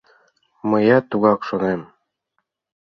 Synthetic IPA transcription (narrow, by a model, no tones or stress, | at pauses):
mɤjɑt̪uɣɑkʃonem